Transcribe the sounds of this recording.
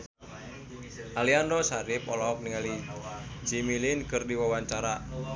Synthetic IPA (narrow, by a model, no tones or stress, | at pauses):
ʔaliandɔsaɾɪp̚ɔlɔk̚niŋali | d͡ʒ̥imilɪnkɨrdiwawaɲt͡ʃaɾa